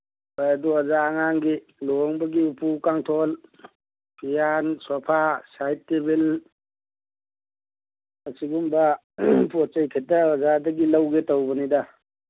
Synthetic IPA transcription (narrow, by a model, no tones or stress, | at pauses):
bajaduɐzaːŋaŋɡi | lɔŋbɐɡiupʰukaŋtʰɔl | pʰijanswapʰasajtːebil | ɐsiɡumba | pɔt̚t͡ʃejkʰetaazadɐɡilawɡetawbɐnida